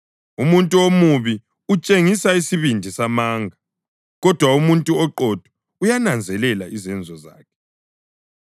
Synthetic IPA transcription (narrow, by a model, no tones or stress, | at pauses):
umuntʼuomuβi | ut͡ʃʼeŋisaisiβindʱisamaːŋɡʱa | ɣɔd̥ʱwaumuntʼuɔǃɔd̥ʱwɔ | ujanand͡zʱɛlɛlaizɛnd͡zʱɔza̰ːkʰɛ̥